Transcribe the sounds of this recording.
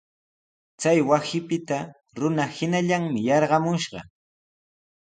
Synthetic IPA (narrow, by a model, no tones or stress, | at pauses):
t͡sajwasɪpɪt̪a | ɾʊnahɪnaʎaŋmɪjɑɾɢɑmʊʃɢɑ̰